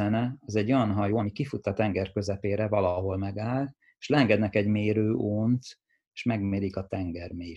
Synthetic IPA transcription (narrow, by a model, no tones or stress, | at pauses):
ɛnɛɒzɛɟːo̞jɒnɦɒjoːɒmikifut̪ːɒt̪ɛŋɡɛrkø̞zɛpeːɾɛvɒlɒɦo̞lmɛɡaːl | eʃlɛɛŋɡɛd̪nɛkɛɟmeːɾøːʔoːnt̪ | eːʃmɛɡmeːɾikɒt̪ɛŋɡɛrmeː